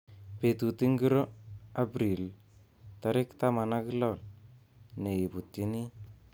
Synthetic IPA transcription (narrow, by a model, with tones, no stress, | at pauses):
pe˨t̪u˨ti˦ŋɡi˦ɾo˦a˦bɾi˨l | ta˦ɾɪ˦kt̪a˦ma˨na˦ki˦lɔ˦˨l | ne˨ji˨pu˨tːi˦ni˦